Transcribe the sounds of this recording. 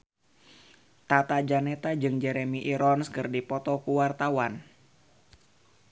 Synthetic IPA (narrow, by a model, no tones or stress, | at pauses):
t̪at̪ad͡ʒanɛt̪ad͡ʒɨŋd͡ʒɛɾemiʔiɾɔnskɨrdipɔt̪ɔkuwart̪awan